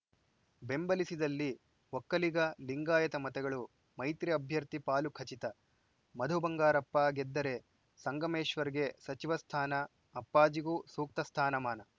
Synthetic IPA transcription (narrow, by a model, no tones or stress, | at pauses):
be̞mbɐlisid̪ɐlːi | ʋokːɐliɡɐliŋɡaːjɐt̪ɐmɐt̪ɛɡɐɭu | mɐjt̪ɾiɐbʱjɐɾt̪ipaːlukʰɐt͡ʃit̪ɐ | mɐd̪ʱubɐŋɡaːɾɐpːaːɡed̪ːɐɾe̞ | sɐŋɡɐmeːʃʋɐɾiɡe̞sɐt͡ʃiʋɐst̪ʰaːnɐː | pːaːd͡ʒiɡuːsuːk̚t̪ɐst̪ʰaːnɐmaːnɐ